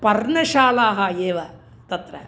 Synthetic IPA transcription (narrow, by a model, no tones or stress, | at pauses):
pɐrɳɐʃaːlaːɦɐeːʋɐ | t̪ɐt̪ɾɐ̰